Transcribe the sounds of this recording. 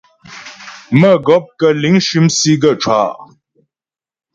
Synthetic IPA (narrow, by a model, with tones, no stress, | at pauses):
mə˦˨ɡɔ˨˦p̚kə˨li˨˦ŋʃi˨˦msi˦ɡə˨ʈ͡ʂʰwa̰˦